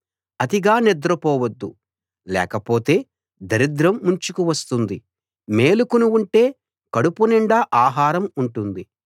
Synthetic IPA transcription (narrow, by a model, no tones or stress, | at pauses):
ɐd̪iɡaːnɛd̪ɾɐpɔːʋɐd̪ːu | lɛ̰ːkɐpoːt̪e̞ː | d̪ɐɾid̪ɾɐmːuɲt͡ʃukuʋɐst̪und̪i | me̞ːlukunuuɳʈe̞ː | kɐɽupunɛɳɖaːʔaːɦaːɾɐmuɳʈund̪i